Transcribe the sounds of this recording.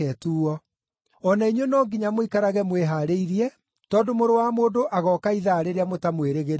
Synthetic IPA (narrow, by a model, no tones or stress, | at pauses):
ɛtuːɔ | ɔnaiɲwenɔːŋɡiɲamoikaɾaɣɛmweɦaːɾeiɾiɛ | tɔːdomoɾowamoːdoʔaɣɔːkaiðaːɾeɾeamotamweɾeɣeɾ